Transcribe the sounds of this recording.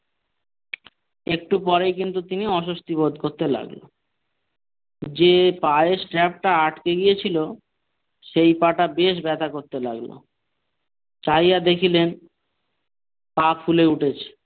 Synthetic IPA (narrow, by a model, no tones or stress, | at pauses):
ek̚ʈupɔɾejkint̪ut̪iniɔʃost̪ibod̪koɾt̪ela̰ɡlo̰ | d͡ʑepaesʈɾɛp̚ʈaaʈkeɡijet͡ɕʰilo | ʃejpaʈabeʃ̬bɛt̪ʰakoɾt̪elaɡlo̰ | t͡ɕajad̪ekʰilen | papʰuleuʈʰet͡ɕʰe̥